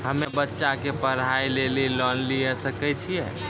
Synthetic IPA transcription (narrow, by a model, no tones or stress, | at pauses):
həmebətːʃakepəɾ̤ajlelilɔnliɛsəkɛt͡ʃʰijɛ